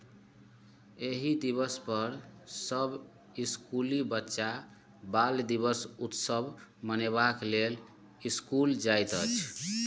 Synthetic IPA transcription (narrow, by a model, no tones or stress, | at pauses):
eɦid̪iβəspəɾsəb | iskulibətːʃa | bald̪iβəsut̪səbʱməneβaklel | iskuld͡ʒajt̪ə̰t͡ʃʰ